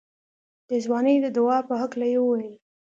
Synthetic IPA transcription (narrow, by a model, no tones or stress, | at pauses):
d̪̥əzwɑnəjd̪əd̪ʊwɑpəɦaklajewəwajl